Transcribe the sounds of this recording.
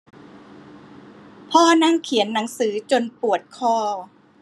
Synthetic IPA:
pʰɔː˥˩na˥˩ŋkʰi˨˩˦ənːa˩˦ŋsɯː˩˦t͡ɕo˧npu˨˩ət̪̚kʰɔː˥˩

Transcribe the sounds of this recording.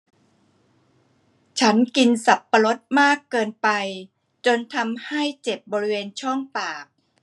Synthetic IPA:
t͡ɕʰa˦˥nki˧nsa˨˩pːa˧ɾo˦˥t̪̚maː˥˩kːɤː˧npa˧j | t͡ɕo˧nt̪ʰa˧mha˥˩jt͡ɕe˨˩p̚bɔː˧ɾi˦˥weː˧nt͡ɕʰɔ˥˩ŋpaː˨˩k̚

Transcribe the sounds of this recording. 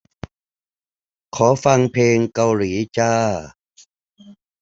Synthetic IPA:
kʰɔː˩˦fa˧ŋpʰeː˧ŋka˧wliː˩˦t͡ɕaː˧˩

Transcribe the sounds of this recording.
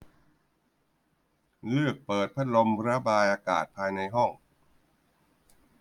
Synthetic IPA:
lɯ˥˩ək̚pɤː˨˩t̪̚pʰa˦˥t̪̚lo˧mpʰɾa˦˥baː˧jʔaː˧ka̰ː˨˩t̪̚pʰaː˧jna˧jɦɔ˥˩ŋ

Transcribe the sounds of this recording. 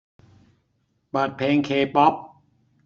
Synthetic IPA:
pa˨˩t̪̚pʰeː˧ŋkʰeː˧pɔ˦˥p̚

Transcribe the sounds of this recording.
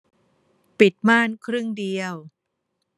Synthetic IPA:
pi˨˩t̪̚maː˥˩nkʰɾɯ˥˩ŋdi˧əw

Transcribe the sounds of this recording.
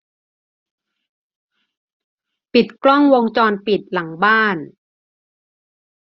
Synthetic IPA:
pi˨˩t̪̚klɔ˥˩ŋwo˧ŋt͡ɕɔː˧npi˨˩t̪̚la˩˦ŋbaː˥˩n

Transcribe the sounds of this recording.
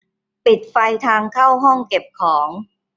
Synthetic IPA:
pi˨˩t̪̚fa˧jt̪ʰaː˧ŋkʰa˥˩wɦɔ˥˩ŋke˨˩p̚kʰɔː˩˦ŋ

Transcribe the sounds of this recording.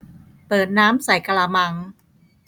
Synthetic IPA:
pɤː˨˩t̪̚naː˦˥msa˨˩jka˧laː˧ma˧ŋ

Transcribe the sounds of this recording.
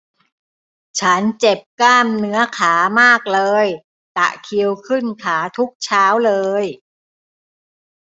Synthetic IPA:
t͡ɕʰa˦˥nt͡ɕe˨˩p̚kaː˥˩mnɯ˦˥ɐkʰaː˩˦maː˥˩k̚lɤː˧j | t̪a̰˨˩ʔkʰi˧əwkʰɯ˥˩nkʰaː˩˦t̪ʰu˦˥k̚t͡ɕʰaː˦˥wlɤː˧j

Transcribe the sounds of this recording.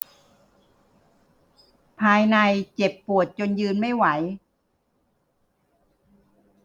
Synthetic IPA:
pʰaː˧jna˧jt͡ɕe˨˩pːu˨˩ət̪̚t͡ɕo˧njɯː˧nma˥˩jwa˩˦j

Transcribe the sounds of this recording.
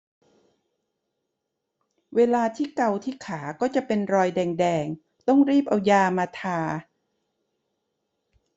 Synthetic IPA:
weː˧laː˧t̪ʰiː˥˩ka˧wt̪ʰiː˥˩kʰaː˩˦kɔː˥˩t͡ɕa˨˩ʔpe˧nɾɔː˧jdɛː˧ŋdɛː˧ŋ | t̪ɔ˥˩ŋɾiː˥˩p̚ʔa˧wjaː˧maː˧t̪ʰaː˧

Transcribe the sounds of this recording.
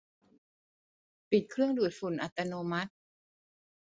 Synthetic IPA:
pi˨˩t̪̚kʰɾɯ˥˩əŋdu˨˩t̪̚fu˨˩˦nʔa˨˩t̪ːa˧noː˧ma˦˥t̪̚

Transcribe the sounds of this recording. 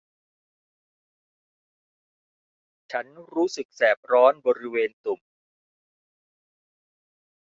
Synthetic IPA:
t͡ɕʰa˦˥nɾuː˦˥sɯ˨˩k̚sɛː˨˩p̚ɾɔː˦˥nbɔː˧ɾi˦˥weː˧nt̪u˨˩m

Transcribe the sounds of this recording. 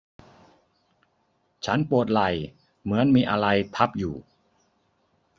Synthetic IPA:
t͡ɕʰa˦˥npu˨˩ət̪̚la˨˩j | mɯ˩˦ənmiː˧ʔa˧ɾa˧jt̪ʰa˦˥p̚juː˨˩

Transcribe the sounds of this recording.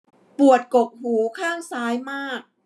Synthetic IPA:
pu˨˩ə˩t̪̚ko˨˩k̚huː˩˦kʰaː˥˩ŋsaː˦˥jmaː˥˩k̚

